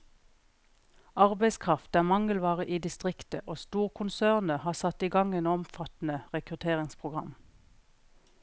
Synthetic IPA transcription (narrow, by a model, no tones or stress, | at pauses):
ɑʁbæɪskʰʁɑft̪æːmɑŋəlʋɑːʁəʔiːd̪ɪst̪ʁɪkt̪əʔoːst̪uːʁkʰʊnsæːʁnəhɑːsɑt̪iːɡɑŋeːnɔmfɑt̪n̩əʁɛkʁʉt̪ʰeːʁɪŋspʰʁʊɡʁɑ̰m